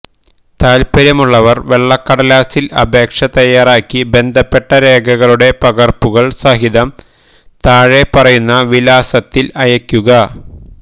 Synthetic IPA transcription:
t̪aːlpɐɾɐmuɭːɐʋɐrʋe̞ɭːɐkːɐɽɐlaːsilɐ̰bʱe̞ːkʂɐt̪ɐjːaːraːkʲːibe̞nd̪ʱɐpːe̞ʈːɐɾe̞ːɡʱɐɣɐɭuɽe̞pɐɣɐrpuɣɐɭsɐɦiðɐm | t̪aːɻe̞pɐrɐjunːɐʋilaːsɐt̪ːilɐjɐkʲːuɣɐ

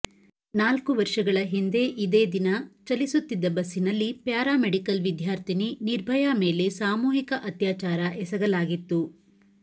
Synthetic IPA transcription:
naːlkuʋɐɾʂɐɡɐɭɐɦind̪e̞ʔid̪eːd̪inɐt͡ʃɐlisut̪ːid̪ːɐbɐsːinɐlːipjaːɾaːmeɽikɐlʋid̪ʱjaːɾt̪ʰininiɾbʱɐjaːme̞ːle̞saːmuːɦikɐʔɐt̪jaːt͡ʃaːɾɐʔɛsɐɡɐlaːɡit̪ːu

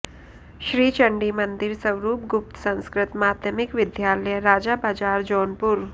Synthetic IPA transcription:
ɕɾiːt͡ɕəɳɖiːmənd̪iɾsəwɾuːp̚ɡup̚t̪sə̃ñskɾɪt̪maːd̪jəmikʋɪd̪jaːɾljəɾaːd͡ʑabaːd͡ʒaːɾd͡ʑɔːnpuɾ

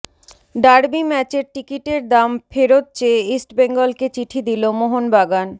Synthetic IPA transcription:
ɖaɾbimɛt͡ɕeɾʈikiʈeɾd̪amfeɾot̪̚t͡ɕeisʈbeŋɡolket͡ɕiʈʰid̪ilomoɦonbaɡan

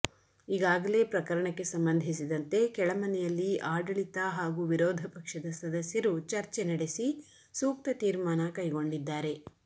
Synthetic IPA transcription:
iːɡaːɡɐle̞ːpɾɐkɐɾɐɳɐkːe̞sɐmbɐnd̪ʱis̬id̪ɐnt̪e̞kɛɭɐmɐnɛjɐlːiʔaːɖɐɭit̪ɐɦaːɡuːʋiɾɔːd̪ʱɐpɐkʂɐd̪ɐsɐd̪ɐsjɐɾut͡ʃɐɾt͡ʃenɐɽesi | suːk̚t̪ɐt̪iːɾmaːnɐkɐjɡo̞ɳɖid̪ːaːɾe̞

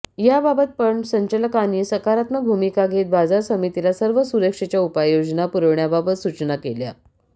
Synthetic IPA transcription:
jababət̪̚pəɳsəɲt͡ɕələkaniːsəkaɾat̪nəbʱumikaɡʱet̪̚bad͡zaɾsəmit̪ilasəɾʋəsuɾəkʂet͡ɕjaupajod͡ʑnapuɾəʋɳjababət̪sut͡ɕnakelja̰

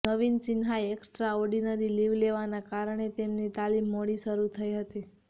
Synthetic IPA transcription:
nəʋint͡ʃɪnɦajeksʈɾaɔɾɖinəɾiliʋleʋanakaɾəɳ̃et̪emnit̪alimːoɽiʃəɾut̪ʰəjɦət̪i

